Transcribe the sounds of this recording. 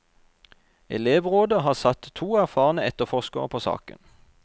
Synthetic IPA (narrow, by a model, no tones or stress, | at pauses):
ɛ̰leːʋʁoːd̪əhɑːʁsɑt̪t̪ʰuːæʁfɑːʁənəɛt̪əʁfɔʃkəəpʰoːsɑ̰ːkə̰n